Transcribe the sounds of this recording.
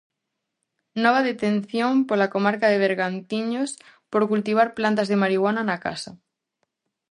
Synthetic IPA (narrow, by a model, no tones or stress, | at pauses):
nɔβ̞aðet̪ẽn̟θjõmpolakomaɾkaðeβeɾɣant̪iɲos | poɾkult̪iβ̞aɾplant̪azðemaɾiɣwananaka̰sa